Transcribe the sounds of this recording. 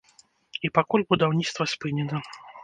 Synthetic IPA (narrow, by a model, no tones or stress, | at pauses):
ipakulʲbud̪awnʲit̪st̪vɐsʲpɨnʲɛnɐ